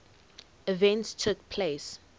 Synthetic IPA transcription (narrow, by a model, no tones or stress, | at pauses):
ivɛ̃ntstʰʊkpʰles